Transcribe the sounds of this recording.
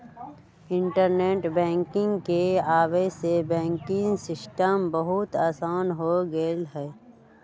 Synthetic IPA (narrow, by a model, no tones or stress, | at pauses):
ɪ̃ɳʈəɾneːʈbɛ̃ːŋkɪ̃ŋɡkeaːʋesebɛ̃ːŋkɪ̃ŋsɪsʈəmbəɦʊt̪aːsaːnɦoɡelɦɛː